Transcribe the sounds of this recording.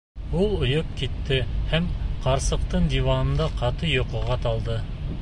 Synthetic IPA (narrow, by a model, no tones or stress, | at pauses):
ulˠŏjop̚kit̪ːɘhæmqɑɾsɤ̆q̚t̪ɤɴd̪ivɑnɤ̆nd̪ɑqʰɑt̪ɤjŏqɤ̆ʁɑt̪ɑlˠd̪ɤ